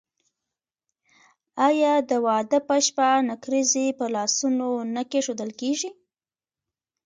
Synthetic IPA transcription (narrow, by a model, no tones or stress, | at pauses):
ɑjɑd̪əwɑd̪əpəʃpanakɾizepəlɑsunonəkeʂod̪əlkeʒi